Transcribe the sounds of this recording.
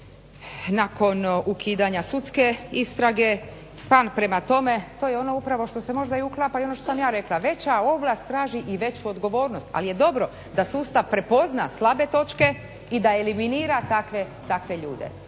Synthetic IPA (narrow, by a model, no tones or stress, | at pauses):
nako̞nukʰiːd̪aɲasut̪ske̞ist̪ɾaɡe̞ | paːnpɾe̞mat̪o̞me̞t̪o̞ːjeo̞no̞upɾaʋo̞ʃt̪o̞se̞mo̞ʒd̪aiuklˠapaio̞noʃt̪osamjaːɾe̞klˠaʋe̞t͡ɕao̞blˠast̪ːɾaːʒiʔiʋe̞t͡ɕuod̪ɡo̞ʋo̞ːɾno̞st̪a̰lije̞d̪o̞bɾo̞ | d̪asuːst̪aʋpɾe̞po̞zna̰slˠabe̞t̪o̞t͡ʃke̞ | id̪aeliminiːɾat̪akʋe | t̪akʋe̞ʎṵːd̪ḛ